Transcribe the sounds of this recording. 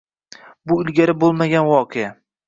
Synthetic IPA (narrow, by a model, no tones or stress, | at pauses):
bʊɪlɡʲaɾɪbolˠmaɡʲanwɒqʰeja